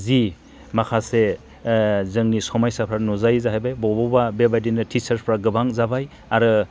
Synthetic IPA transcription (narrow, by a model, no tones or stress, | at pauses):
zi | makʰase | zɯŋnisɔmajsapʰɾanɔzajzaɦajbajbɔbɔbabebajdinɯtʰit͡ʃaɾpʰɾaɡɯbaŋzabaj | aɾɯ